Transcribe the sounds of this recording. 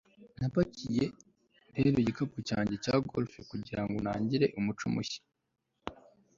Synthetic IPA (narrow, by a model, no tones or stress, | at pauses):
napacije | ɾeɾoiɟikapucaːɲɟecaɡolfekuɟiɾaŋɡonaːɲɟiɾe̞ʔumut͡ʃumṵçi̥